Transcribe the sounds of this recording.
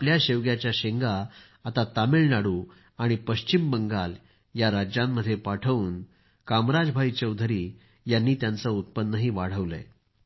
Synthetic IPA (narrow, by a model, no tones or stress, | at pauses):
pljaɕeʋɡjat͡ɕjaɕeŋɡa | at̪at̪amiɭnaɽuː | aɽ̃ipəɕt͡ɕimbəŋɡal | jaɾad͡ʑjamːəd̪ʱːjepaʈʰəuːn | kamɾad͡zbʱait͡ɕəwd̪ʱəɾiː | janːiːt̪jant͡səut̪̚pənːəɦiːʋaɽ̤əʋlə̰